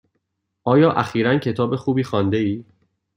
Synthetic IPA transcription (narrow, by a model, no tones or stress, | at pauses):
ʔɒːjɒːʔæxiːɾæncʰe̞t̪ʰɒːbe̞xuːbiːxɒːnd̪e̞iː